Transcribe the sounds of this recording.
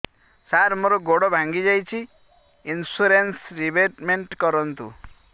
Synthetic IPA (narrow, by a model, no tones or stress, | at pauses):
saɾmoɾɔɡoɽɔbʱãŋɡid͡ʒajt͡ʃʰi | insuɾensɾibeʈmeɳʈkɔɾɔnt̪ṵ